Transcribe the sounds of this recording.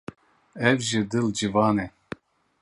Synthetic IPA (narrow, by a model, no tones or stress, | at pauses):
ɛvʒɨd̪ɨld͡ʒɨvɑːnɛ